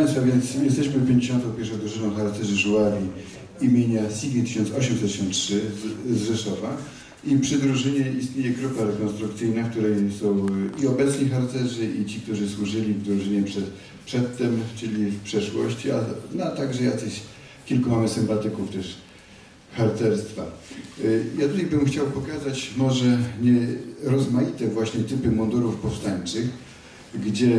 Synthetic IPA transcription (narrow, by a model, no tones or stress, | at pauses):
ajsfavʲjɛnt̪sjɛst̪ɛɕmɘpʲjeɲd͡ʑeɕɔnt̪̬ɔ̃w̃pʲɛɾʂɔ̃w̃d̪ɾuʐɘnɔ̃w̃xaɾt̪t̪ɛʐɘʐuaɾʲi | imʲjeɲasʲiɡʲɲit̪ɘ̥ɕɔnt̪sɔɕɛmsɛt̪ːɕɔ̃ntʂɘzʐɛʂɔva | ipʂɘd̪ɾuʐɘɲɛist̪ɲejɛɡɾupaɾɛkɔnst̪ɾuk̚t̪sɘjnak̚t̪uɾɛjsɔ̃w̃iɔbɛt̪sɲixaɾt̪sɛʐɘʔit͡ɕik̚t̪uʐɘswuʐɘlʲivd̪ɾuʐɘɲɛpʂɛt̪ | pʂɛt̪ːɛmt͡ʂɘlʲifpʂɛʂwɔ̰ɕt͡ɕia̰nɔt̪aɡʐɛjakʲeɕ | kʲilkumamɘsɘmpat̪ɘkuft̪ɛʂ | xaɾt̪ɛɾst̪fa̰ | jat̪ut̪ajbɘmxt͡ɕawpɔkazat͡ɕmɔʐɛɲɛɾɔzmajit̪ɛvwaɕɲɛt̪ɘpɘmɔnd̪uɾufpɔfst̪aɲt͡ʂɘx | ɡd͡ʑɛ